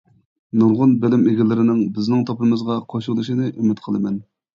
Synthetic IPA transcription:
nuɾʁʊnbɪlɪmeɡʲɪlɪɾɪnɪŋbɪznɪŋt̪ʰɑpɨmɨzʁɑqʰoʃɾlˠɨʃinɨʔymɪt̪qʰəlˠɨmɛn

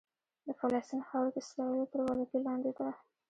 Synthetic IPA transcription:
d̪əfalɑst̪inxawɾd̪əɪslɑlot̪əɾwɑlakilɑnd̪ed̪a

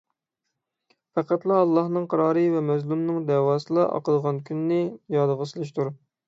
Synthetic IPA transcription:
pʰæqæt̪lˠɑɑlˠːɑhnɨŋqʰɑɾɑːɾɨvɛmɛzlumnɨŋd̪ɛwɑːsɨlˠɑʔɑ̰qəd̪əʁɑnkʲʰynːɪjɑd̪əʁəsɨlˠɨʃ̬t̪ʰuɾ

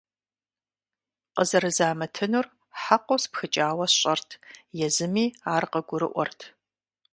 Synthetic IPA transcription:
qəzɐɾɨzaːmɐtʰɨnur | ħaqʷowspxɨt͡ʃʼaːwɐɕʼɐrtʰjɛzɨmiːaːrqɐɡʷʊɾɨ̰ʔʷɔ̰rtʰ

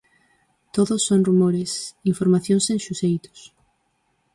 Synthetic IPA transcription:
t̪oðosːonrumoɾesiɱfoɾmaθjõŋsẽŋʃusejt̪o̥s

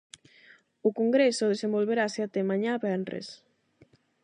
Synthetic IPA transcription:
ʊkoŋɡɾesoðesẽmbolβeɾasat̪emãɲaβɛnrḛs

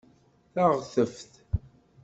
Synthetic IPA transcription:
θaʁθəfθ

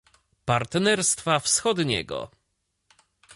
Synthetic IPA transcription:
paɾt̪nɛɾst̪fafsxɔd̪ɲɛ̰ɡɔ̰

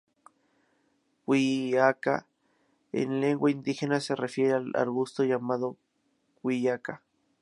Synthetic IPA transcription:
kwiaka̰ | ḛnleŋɡwaind̪ixenaserefjeɾeala̰ɾɣust̪ojamaðo | kʷiaka

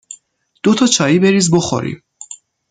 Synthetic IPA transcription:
d̪̥ot̪ʰɒt͡ʃʰɒːiːbe̞ɾiːzboχo̰ɾḭm

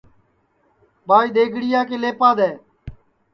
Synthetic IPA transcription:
baːiːɗ̪eːɡʱɽɪjaːkeːleːpãːd̪ɛː

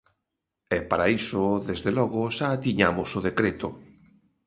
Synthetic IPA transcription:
ɛpaɾaisoðezðelɔɣʊʃaːt̪iɲamʊsʊðekɾet̪ʊ

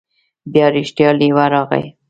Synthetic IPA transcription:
bjɑɾɪʃʈjɑliwaɾɑɣa̰j

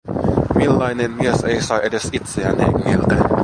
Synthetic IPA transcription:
milːɑinemmieseisɑʔedesit̪seæ̰nḛŋːilt̪æ

